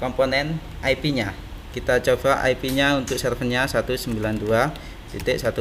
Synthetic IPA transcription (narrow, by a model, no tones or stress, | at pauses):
kɔmponɛn | aipiɲa | kit̪at͡ʃob̥aʔa̰ipiɲaunt̪ʊk̚sərfənɲasat̪usəmbilandua | d̪it̪ɪʔsat̪u